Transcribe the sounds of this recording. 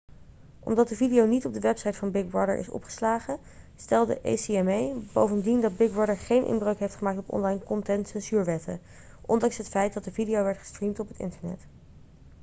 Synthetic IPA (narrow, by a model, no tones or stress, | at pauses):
ʔɔ̰mdɑt̚dəvidijownitɔb̚dəʋɛpsɑjtfɑnbɪɡ̚bɹɑdə̰ɹʔɪ̰sɔ̰pχə̥slaːχə | stɛlˠdə̰ʔḛjsiɛmejbowvəndindɑd̚bɪɡ̚bɹɑdəɹχejnʔɪ̰nbrəɥkɦejftχəmaːk̚tɔpɔ̰nlɑjnkɔntɛntsɛnsyːɹʋɛtʰə̰ | ʔɔndɑŋsɦətfɛjt̚dɑt̚dəvidijowʋɛɹtχə̥strimtɔpɦətɪ̰ntəɹnɛ̰t